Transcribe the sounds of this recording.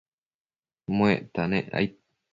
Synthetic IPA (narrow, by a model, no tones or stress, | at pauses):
mõet̪anẽʔa̰j